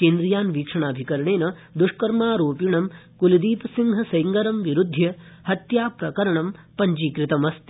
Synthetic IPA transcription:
keːnd̪ɾijaːnʋiːkʂɐɳaːbʱikɐɾɐɳeːnɐ | d̪uʂkɐɾmaːɾoːpiɳɐm | kulid̪iːpɐsiŋɡʱɐsɐjŋɡɐɾɐmʋiɾud̪ʱːjɐ | hɐt̪jaːpɾɐkɐɾɐɳɐmpɐɲd͡ʒiːkɾit̪ɐmɐst̪

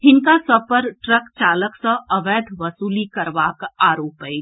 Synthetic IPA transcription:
ɦɪŋkasəpəɾʈɾəkt͡ʃaːləksə̃əʋɛːd̪ʱʋəsuːlikəɾbaːkaːɾoːpəɪ

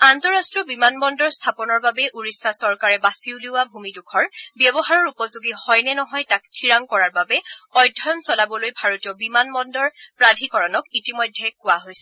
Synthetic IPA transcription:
antɔɹastɹɔbimanbɔndɔɹstʰapɔnɔɹbabɛʔuɹisːasɔɹkaɹɛbasiwluwabʱumidukʰɔɹbjɛbɔɦaɹɔɹupɔzuɡihɔjnɛnɔɦɔjtak̚tʰiɹaŋkɔɹaɹbabɛɔjdʱɔjɔnsɔlabɔlojbʱaɹotijɔbimanbɔndɔɹpɹadʱikɔɹɔnɔkitimɔjdʱːɛkʊwaɦojsɛ

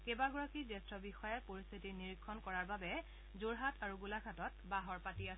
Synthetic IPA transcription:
kebaɡɔɹakizɛstɹɔbixɔjapoɹist̪ʰitiniɹikʰːɔnkɔɹaɹbabɛ | zoɹɦatʰaɹuɡulakʰatɔt̚baɦɔɹpatias

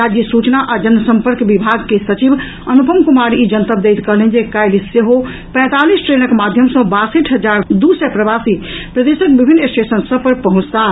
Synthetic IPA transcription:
ɾad͡ʒjisut͡ʃnaʔad͡ʒənəsəmpəɾkbibʱaɡkesət͡ʃib | ənupəmkumaɾiid͡ʒənt̪əp̚d̪ejt̪kəlend͡ʒekajlisːeɦo | pɛ̃t̪alisʈɾenəkmad̪ʱjəmsə̃basəʈʰɦəd͡ʒaɾd̪usɛpɾəbasipɾəd̪esək̚bibʱinːesʈesənsəbpəɾpəɦũt͡ʃt̪a

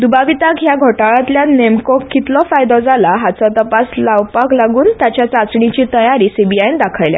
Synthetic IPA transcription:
d̪ubaʋit̪akɦjaɡʱoʈaɭãt̪ljanemkɔkːit̪lɔfajd̪ɔd͡zʱalaɦat͡sat̪əpaslaʋpaklaɡuːnt̪jat͡ɕjat͡sat͡sɳit͡ɕiːt̪əjaɾiːsibiajnd̪akʰajlja̰

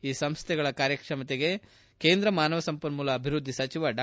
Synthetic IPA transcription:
iːsɐmst̪ʰɛɡɐɭɐkaːɾjɐkʂɐmɐt̪eɡe̞ | ke̞ːnd̪ɾɐmaːnɐʋɐsɐmpɐɾmulɐːbʱiɾud̪ʱːisɐt͡ʃiʋaɖa

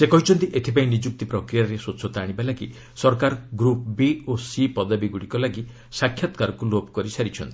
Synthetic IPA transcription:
sekɔɦit͡ʃʰɔnt̪iʔet̪ʰipaĩnid͡ʒuk̚t̪ipɾɔkɾijaɾesoːsʰɔt̪aːɽ̃ibalaɡi | sɔɾkaɾɡɾup̚biosipɔd̪abiɡuɽikɔlaɡi | sakʰjat̪ɔ̥kaɾɔkulobkɔɾisaɾit͡ʃʰɔnt̪ii̥

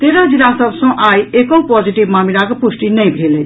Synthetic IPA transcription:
t̪eɾad͡zinasəbʱsʌ̃ʔajekõpɔd͡ʒiʈibmamiɾakepusʈinəjbʱele

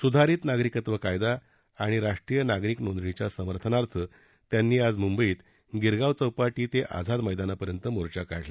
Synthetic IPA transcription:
sud̪ʱaɾiːt̪naɡɾikət̪ʋəkajd̪aː | ɽ̃iɾaʂʈɾiːjənaɡɾiːknond̪ɭit͡ɕjasəməɾt̪ʰənaɾt̪ʰə | t̪janːiːad͡zmumbəiːt̪ | ɡiɾɡaʋt͡səwpaʈiːt̪eʔa̰d͡zʱad̪məjd̪anapəɾjənt̪əmoɾt͡ɕakaɽla

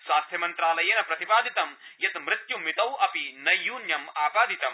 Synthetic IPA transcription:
swaːst̪ʰjɐmɐnt̪ɾaːlɐjeːnɐpɾɐt̪ipaːd̪ʱit̪ɐmjɐt̪mɾɪt̪jumit̪ɐwɐpinɐjːuːnjɐmaːpaːd̪ʱit̪ɐm

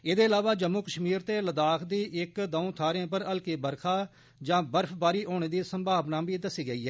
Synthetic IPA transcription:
eːd̪eːɪlaːʋaːd͡ʒəmːuːkəʃmiːɾt̪eːləd̪aːkʰd̪iːʔɪkd̪ãːt̪ʰaːɾẽːpəɾəlkiːbəɾkʰaː | d͡ʒãːbəɾpʰbaːɾiːʔoːɽ̃eːd̪iːsəmbʱaːʋnaːbiːd̪əsiːɡəiːɦɛː

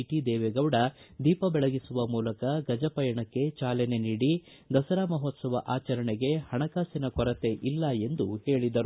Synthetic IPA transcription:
iʈid̪ɛːʋeɡɐʋɽɐd̪iːpɐbɛɭɐɡisuʋɐmuːlɐkɐɡɐd͡ʒɐpɐjɐɳɐkːe̞t͡ʃaːlene̞niːɽi | d̪ɐsɐɾaːmɐɦoːt̪sɐʋɐ̰ʔaːt͡ʃɐɾɐɳeɡe̞hɐɳɐkaːsinɐkɔɾɐt̪e̞ʔilːɐe̞nd̪uhe̞ːɭid̪ɐɾu

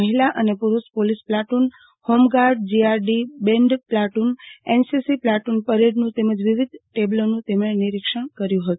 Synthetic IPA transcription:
əɦilaʔənepuɾuspolisplaʈun | homɡaɾɖ̚d͡ʒiaɾɖibeɳɖplaʈunensisiplaʈunpəɾeɖnũt̪eməd͡ʒʋiʋid̪ʱʈeblonũt̪emẽniɾikʃəɳ̃kəɾjũɦət̪u

